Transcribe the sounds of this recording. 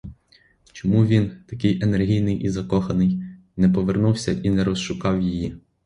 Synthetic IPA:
t͡ʃɔmuʋʲint̪ɐkɪjʔenerɦʲijnɪjʔizɐkɔxɐnɪj | nɛpɔʋernuwsʲɐʔinɛɾɔsʃʊkɑwjiji

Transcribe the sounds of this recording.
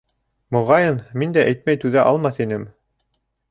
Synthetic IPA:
mŏʁɑjɤnmind̪æʔæjt̪mæjt̪ʉðæʔɑlˠmɑθinɘm

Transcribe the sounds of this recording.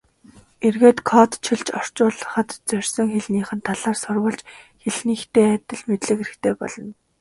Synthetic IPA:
erɣeːt̪kʰɔt̪t͡ɕʰiɮt͡ɕɔr̥t͡ɕʊːɮə̆χə̆t̪t͡sœr̥ʲsɞ̆ŋxeɮniːχɘ̆nt̪ʰːaɮaːrsʊrwə̆ɮt͡ɕxeɮniːxt̪eːæt̪ʲɘ̆ɮmet̪ɮɘ̆keɾɘ̆xt̪ʰeːpɔ̰ɮɞ̆n

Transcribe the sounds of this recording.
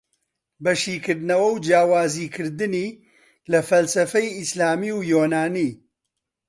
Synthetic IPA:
bɐʃiːkɨɾd̪ɨnɐwɐwd͡ʒjaːwaːziːkʰɨɾd̪ɨniː | lɐfɐlsɐfɐjɪslaːmiːwjoːnaːniː

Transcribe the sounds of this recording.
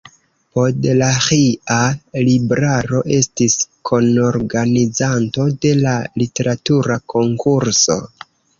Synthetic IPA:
podlahialibɾaɾo̞ʔe̞stiskʰo̞noɾɡanizanto̞de̞lalite̞ɾatuɾako̞ŋkʰuɾso̞̰

